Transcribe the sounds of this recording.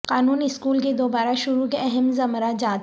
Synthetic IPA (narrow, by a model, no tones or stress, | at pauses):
qaːnuːnɪskuːlk̬ed̪oːbaːɾaʃʊɾukeɛɦɛmzɐmɾad͡ʒaːt̪